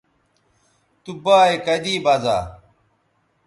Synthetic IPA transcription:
t̪ubaːekɐd̪iːbɐza̰ː

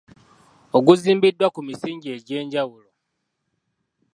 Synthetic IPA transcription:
oɡuziːmbidːwakumisiːɲɟie̞ɟeːɲɟawulo

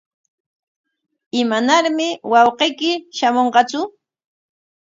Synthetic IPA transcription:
ɪmanaɾmɪwɑwqejkɪʃamoɴqɑt͡sʊ

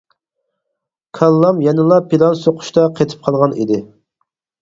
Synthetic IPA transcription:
kʰɑlˠːɑmjɛnɨlˠɑpilˠɑnsoqʰʊ̥ʃt̪ɑqʰet̪ʰɪ̥p̚qʰɑlˠʁɑnḭd̪ɪ

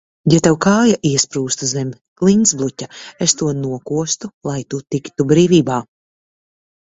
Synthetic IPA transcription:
jɛt̪ɛwkaːjaʔiɛspɾuːst̪uzɛmʲ | klˠinsblˠutʲaest̪uɔnuɔkuɔst̪ulˠajt̪ut̪ikt̪ubɾiːviːbaː

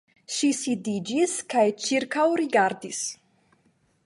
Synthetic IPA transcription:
ʃisid̪id͡ʒiskajt͡ʃiɾkawɾiɡaɾd̪is

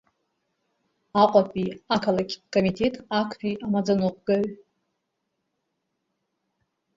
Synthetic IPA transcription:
aqʷʼapʰʼiakʰalakʲkʼomitʰe̞tʼakʷʰpiʔamad͡zanoqʷɡ̥aɥ

